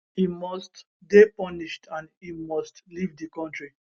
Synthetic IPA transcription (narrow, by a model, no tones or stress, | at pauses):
imɔst | depɔniʃtʰãnimɔstlivdikɔ̃ntɹi